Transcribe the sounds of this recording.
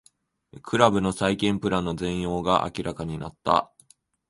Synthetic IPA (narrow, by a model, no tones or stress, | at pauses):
kʰɯ̟ɾabɯ̟no̞saikẽ̞mpɯ̟ɾãnːo̞zẽ̞ɰ̃jo̞ːɡaʔa̰kʲiɾʔakaɲ̟ina̰t̪ːa̰